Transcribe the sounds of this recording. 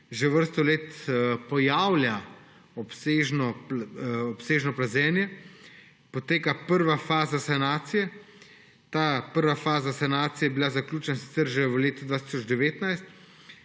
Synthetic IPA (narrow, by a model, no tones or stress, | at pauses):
ʒɛʋəɾst̪ɔleːt̪pɔjaːwlja | ɔpseːʒnɔ | ɔpseːʒnɔplazɛːnjɛ | pɔt̪eːkapəɾʋafaːzasanaːt̪sijɛ | t̪apəɾʋafaːzasanaːt̪sijɛbilazaklʲjuːt͡ʃɛnasi̥t̪sɛɾʒɛʋəleːt̪ud̪vʋaːt̪i̥sɔd͡ʒd̪ɛʋeːt̪najst̪